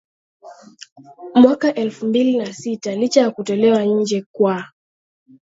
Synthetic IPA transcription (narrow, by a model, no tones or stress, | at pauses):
mwakaʔɛlfumbilinasitalit͡ʃajakutɔlɛwaɲ̩d͡ʒɛkwa